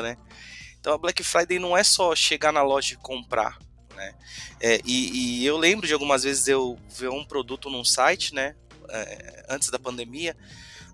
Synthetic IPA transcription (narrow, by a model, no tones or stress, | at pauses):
nɛ | ẽt̪ɐ̃w̃ɐblɛkɪfɾajd̪ejnɐ̃w̃ɛsɔʃeɡanɐlɔʒɐkõmpɾʔa̰ | nɛɛʔɪɪewlẽmbɾʊd͡ʒɪawɡũmɐzvezɪzewveũpɾod̪ut̪ʊnũsajt͡ʃɪnɛ | ɛ̰ɐ̃t͡ʃɪ̥zd̪ɐpɐ̃nd̪emiɐ